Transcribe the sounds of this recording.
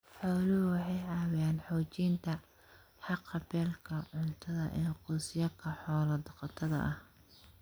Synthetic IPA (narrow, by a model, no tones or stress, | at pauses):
ħɔːlʊhʊwɑħɑjʕɑːwɪjaːnħɔːt͡ʃiːnt̪ʰɐ | ħɑqːɐbɛːlkʰɐʕʊnt̪ʰɐðɐ̰ʔɛːqʊːsɪjɐkʰɐħɔːlɐd̪ɐqɑt̪ʰɐðɐ̰ʔɐh